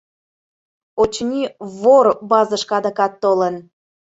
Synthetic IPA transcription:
ot͡ɕnʲiβorbɑzəʃkɑd̪əkɑt̪ːolən

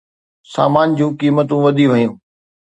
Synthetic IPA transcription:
sa̰ːmaːnd͡ʑũːkiːmət̪ũʋɐd̪ʱiʋɐɦjũː

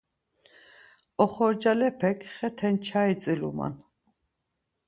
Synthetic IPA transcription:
ɔχɔɾd͡ʒalɛpʰɛkʰχɛt̪ʰɛnt͡ʃʰait͡sʼilṵma̰n

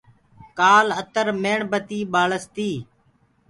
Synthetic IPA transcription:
kaːlət̪əɾmeːɳbət̪iːɓaːɭəst̪iː

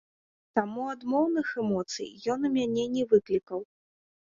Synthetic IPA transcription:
t̪amuad̪mɔwnɨxɛmɔt̪sɨ̰jjɔnumʲanʲɛnʲɛvɨklʲikɐw

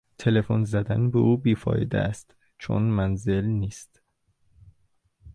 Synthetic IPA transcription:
t̪ʰe̞le̞fonzæd̪ænbeʔuːbiːfɒ̰ːjed̪ḛæst̪ | t͡ʃʰo̰nmænze̞lniːst̪

